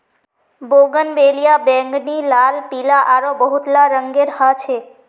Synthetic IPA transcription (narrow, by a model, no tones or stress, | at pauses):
boɡənbelijabɛ̃ŋɡnilalpilaʔaɾobəɦut̪laɾəŋɡeɾɦat͡ʃʰe